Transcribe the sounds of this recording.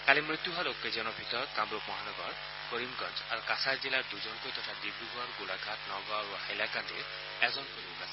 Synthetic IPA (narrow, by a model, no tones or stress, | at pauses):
kalimɾit̪juɦaɾokːed͡ʒɔnɔbʱit̪ɔɾɔt̪kamɾumɔɦanɔɡɔɾ | koɾimɡɔnd͡ʒaɾukasaɾd͡ʒilaɾd̪ud͡ʒɔnkojt̪ɔtʰad̪ibɾuɡɔɾɡulaɡʱatnɔɡɔɾuhajlakand̪ḭɾ | ɛzɔnkoɾimɡasʰ